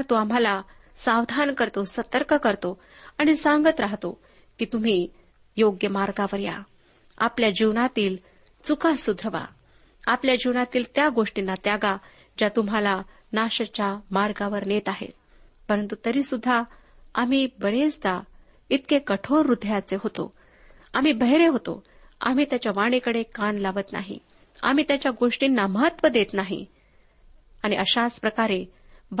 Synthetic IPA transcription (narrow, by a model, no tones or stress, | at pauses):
ɾt̪oam̤ala | sawd̪ʱankəɾt̪osət̪əɾkəkəɾt̪o | aɽ̃isaŋɡət̪ɾaɦt̪o | kiːt̪um̤iː | joɡjəmaɾɡaʋəɾja̰ | apljad͡ʑiʋɳat̪iːl | t͡sukasud̪ʱɾəʋa̰ | apljad͡ʑiʋɳat̪iːlt̪jaɡoʂʈinːat̪jaɡa | d͡ʑat̪um̤ala | naɕət͡ɕjamaɾɡaʋəɾnet̪aɦḛ | pəɾənt̪ut̪əɾiːsud̪ʱːa | am̤iːbəɾed͡zd̪a | it̪kekəʈʰoɾːud̪ʱjat͡seɦot̪o̰ | am̤iːbʱəɦeɾeɦot̪o̰ | a̰m̤iːt̪jat͡ɕjaʋaɽ̃ekəɽekanlaʋət̪na̰ɦḭ | a̰m̤iːt̪jat͡ɕjaɡoʂʈinːaməɦət̪ʋəd̪et̪naɦḭ | aɽ̃iʔəɕaspɾəkaɾe | b